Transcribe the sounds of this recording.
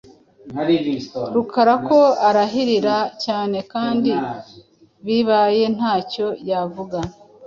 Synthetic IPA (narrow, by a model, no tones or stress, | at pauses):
ɾukʰaɾako̞aɾaɦiɾiɾacaːne̞kaːndi | βiβaje̞n̥haːco̞javuɡa